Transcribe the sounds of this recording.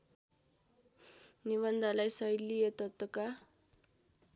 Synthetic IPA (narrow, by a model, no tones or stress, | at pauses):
niβʌnd̪ʱalajsʌjlijet̪ʌt̪wʌka